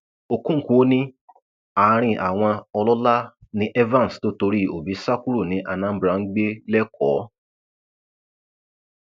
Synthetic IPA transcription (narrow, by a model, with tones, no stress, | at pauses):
o˨kũ˦ku˨˦nĩ˦ | a˨˦˧ɾ̃ĩ˧ʔa˨w̃ɔ̃˧ɔ˧lɔ˦la˦nĩ˧ʔɛ˦vã˦˨n˨sto˦to˧ɾi˦o̰˨bi˨˦sa˦ku˦ɾu˦˨nĩ˨˦ʔa˧nã˦m̩˦bɾã˨˧˦ŋ̩˦ɡ͡be˦lɛ˦kɔ˨˦